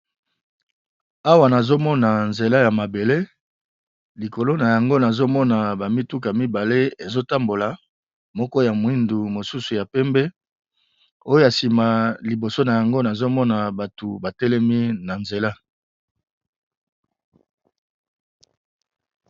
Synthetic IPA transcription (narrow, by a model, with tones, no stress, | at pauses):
a˦wa˨na˨zo˦mɔ˦na˨nze˨la˦ja˨ma˨be˨le˦ | li˨ko˨lo˦na˨ja˨ŋɡo˦na˨zo˦mɔ˦na˨ba˨mi˦tu˦ka˨mi˦ba˨le˦e˨zo˦ta˦mbo˨la˨ | mɔ˦kɔ˦ja˨mwi˦ndu˨mo˨su˦su˨ja˨pɛ˦mbɛ˦ | o˦jo˦a˨si˨ma˨li˨bo˨so˦na˨ja˨ŋɡo˦na˨zo˦mɔ˦na˨ba˨tu˨ba˨tɛ˦lɛ˦mi˦na˨nze˨la˦